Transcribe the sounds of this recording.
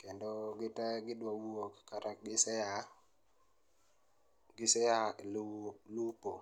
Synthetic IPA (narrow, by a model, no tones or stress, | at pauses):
kɛndoɡɪtaɡɪdwawuokkaɾakɡɪsɛa | ɡɪsɛa | lupo